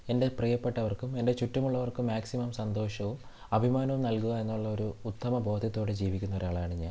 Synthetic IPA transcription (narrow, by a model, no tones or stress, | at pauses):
e̞nde̞prijɐpːe̞ʈːɐʋɐrkume̞nde̞t͡ɕutːɐmuɭːɐʋɐrkumːaːksimɐmsɐnd̪o̞ːʂɐʋum | ɐbʱimaːnɐʋumnɐlkuɣɐenːuɭːɐo̞ɾuːt̪ːɐmɐbʱo̞ːd̪ʱɐt̪ːo̞ːɽed͡ʑiːʋikʲːunːɐʋɐɾaːɭaːɳiɲːaːl